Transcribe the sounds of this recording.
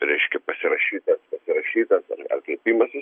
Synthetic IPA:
ɾʲɛɪʃʲkʲɛpɐsʲɪɾɐʃʲiːt̪ɐspɐsʲɪɾɐʃʲiːt̪ɐsɐ̰ɐ̰rkɐɪpʲiːmɐsʲɪ

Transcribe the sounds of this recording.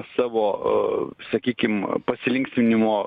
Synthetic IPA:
sɑːʋoː | sɐkʲiːkʲɪmpɐsʲɪlʲɪŋkʲsʲmʲɪnʲɪmoː

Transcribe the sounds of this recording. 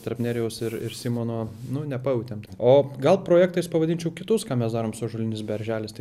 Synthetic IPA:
t̪ɐɾpʲnʲæːɾʲɪjɛʊsɪɾɪ̰ɾsʲiːmoːnoːnʊnʲɛpɐjɛʊt̪ʲɛmt̪ɐɪoːɡɐlˠpɾoːjæːk̚t̪ɐɪspɐʋɐdʲɪnʲt͡ʃʲɛʊkʲɪt̪ʊskɑːmʲɛsd̪ɑːɾoːmsoːʒʊlʲɪnʲɪsbʲɛɾʲʒʲæːlʲɪst̪ɐɪ

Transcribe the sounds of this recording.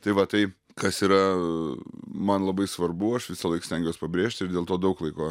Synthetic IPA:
t̪ɐɪʋɐt̪ɐɪ | kɐsiːɾɐ | mɐnlˠɐbɐɪsʋɐrbʊɐʃʋʲɪsɐlˠɐɪksʲtʲɛŋɡʲjoːspɐbʲɾʲeːʃʲt̪ʲɪɾd̪ʲeːlˠt̪oːd̪ɐʊklˠɐɪkoː

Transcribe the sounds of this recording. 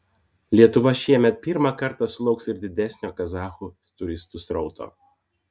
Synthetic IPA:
lʲiɛt̪ʊʋɐʃʲiɛmʲɛt̪̚pʲɪɾmɑkɐɾt̪ɑˑsʊlˠɒʊksɪɾd̪ʲɪd̪ʲɛsʲnʲoːkɐzɑːxuː | t̪ʊɾʲɪst̪ʊsɾɒʊt̪ʰo̰ː

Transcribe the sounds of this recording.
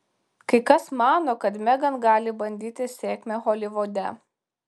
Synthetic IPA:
kɐɪkɐsmɑːnoːkɐt̪mʲɛɡɐnɡɑːlʲɪbɐnʲd̪ʲiːt̪ʲɪsʲeːkʲmʲeɦɔlʲɪʋod̪ʲɛ̰

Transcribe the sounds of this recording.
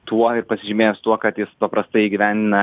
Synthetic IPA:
t̪ʰuɔɪɾpɐsʲɪʒʲɪmʲeːjsʊt̪uɔkɐt̪jɪspɐpɾɐst̪ɐɪiɡʲɪʋʲæːnʲd̪ʲɪnɐ

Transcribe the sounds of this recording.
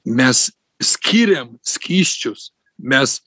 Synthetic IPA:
mʲɛs | sʲkʲʰiɾʲɛmsʲkʲiːsʲt͡ʃʲʊs | mʲɛs

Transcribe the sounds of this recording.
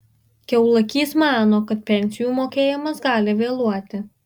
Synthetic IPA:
kʲɛʊlˠɐkʲiːsmɑːnoːkɐt̪̚pʲɛnʲsʲɪjuːmoːkʲeːjɪmɐsɡɑːlʲɪʋʲeːlˠuɔt̪ʲɪ

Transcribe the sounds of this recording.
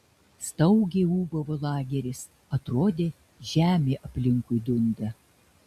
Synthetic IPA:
st̪ɐʊɡʲeuːbɐʋolˠɑːɡʲɛɾʲɪs | ɐt̪ɾoːd̪ʲeː | ʒʲæːmʲeːʔɐpʲlʲɪŋkʊɪd̪ʊnd̪ɐ

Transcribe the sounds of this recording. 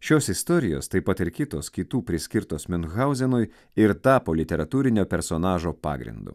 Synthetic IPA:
ʃʲoːsɪst̪ɔːɾʲɪjo̰ːst̪ɐɪpɐt̪ɪɾkʲɪt̪oːskʲit̪uːpʲɾʲɪsʲkʲɪɾt̪oːsmʲʊnɣɑʊzʲɛnʊj | ɪɾt̪ɑːpoːlʲɪt̪ʲɛɾɐt̪uːɾʲɪnʲoːpʲɛɾsonɑːʒoːpɑ̰ːɡɾʲɪ̰nd̪ṵː

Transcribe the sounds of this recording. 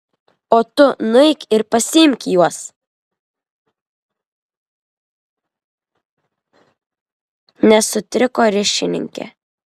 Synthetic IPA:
oːt̪ʊnʊɛɪkʲɪɾpɐsʲɪɪmʲkʲjuɔs | nʲɛsʊt̪ʲɾʲɪkoːɾʲɪʃʲɪnʲɪ̰ŋʲkʲɛ̰

